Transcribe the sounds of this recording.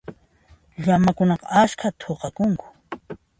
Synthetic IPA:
ʎamakʊnɑqɑ̰askʰat̪ʰoqɑkʊŋkʊ̥

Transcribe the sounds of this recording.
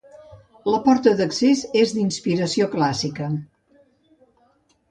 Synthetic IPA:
ləpɔɾt̪əðəksezezd̪inspiɾəsioklasikə

